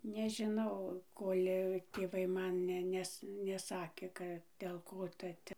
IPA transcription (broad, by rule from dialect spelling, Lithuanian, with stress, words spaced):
nʲɛʒʲɪˈnɐʊ ˈkoːlʲ tʲeːˈʋɐɪ ˈmɐn ˈnʲɛ ˈnʲɛs nʲɛˈsɑːkʲeː ˈkɐ ˈdʲeːlˠ ˈkoː ˈtɐ ˈtʲɛ